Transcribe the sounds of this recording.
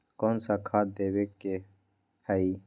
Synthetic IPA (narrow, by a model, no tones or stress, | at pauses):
koːnsakʰaːt̪̚d̪eːwekːe | həiː